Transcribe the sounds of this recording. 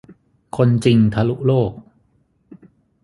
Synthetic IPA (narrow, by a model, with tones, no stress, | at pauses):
kʰo˧nt͡ɕi˧ŋt̪ʰa˧lu˦˥ʔloː˥˩k̚